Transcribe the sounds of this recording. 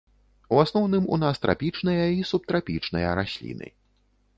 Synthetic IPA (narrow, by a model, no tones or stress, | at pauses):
uasnɔwnɨmṵnast̪ɾʔa̰pʲit͡ʂnɨjɐisup̚t̪ɾapʲḭt͡ʂnɨjɐɾasʲlʲḭnɨ̰